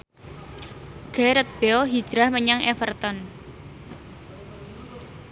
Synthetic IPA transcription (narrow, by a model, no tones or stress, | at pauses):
ɡ̥ɛɾət̪̚b̥eɔɦid̥ʒ̥ɾahməɲaŋʔefərt̪ɔn